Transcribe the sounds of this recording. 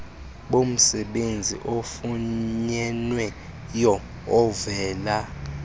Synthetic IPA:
ɓom̩sɛɓend͡zʱḭʔofuɲɛnwɛ | jɔː | vɛːla

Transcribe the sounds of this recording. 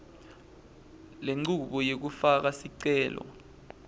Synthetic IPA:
leŋ͡ǀuɓɔjek̬ufak̬asiǀɛːlɔ̰

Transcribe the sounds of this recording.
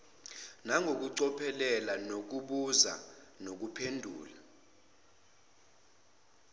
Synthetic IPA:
naŋɡʱok̬uǀɔpʰɛlɛlanok̬uɓuza̰nok̬upʰendʱṵːla

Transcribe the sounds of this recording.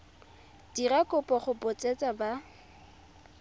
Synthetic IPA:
d̥irakʼʊpʼɔχʊpʊt͡sʼet͡sʼaba

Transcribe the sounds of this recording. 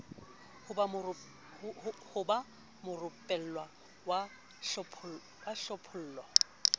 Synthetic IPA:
hʊb | hʊba | mʊrʊpʼɛl̩lwa | wa | ɔpʰ | waɬɔpʰʊl̩ːlɔ

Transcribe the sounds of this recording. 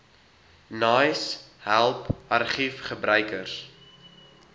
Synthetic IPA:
nɑːjshælˠpɐrχifχəbɾœɥkərs

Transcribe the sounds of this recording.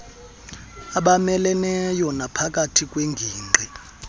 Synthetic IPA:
aɓamɛlɛnɛjɔnapʰak̬ʼatʰikʼweŋɡʱiːŋ͡ǃʱɛ

